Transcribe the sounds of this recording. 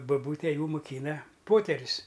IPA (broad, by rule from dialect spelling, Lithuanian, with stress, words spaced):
bɐˈbuːtʲeː ˈjuː mʊˈkʲiːnɐ ˈpoːtʲɛrʲʊs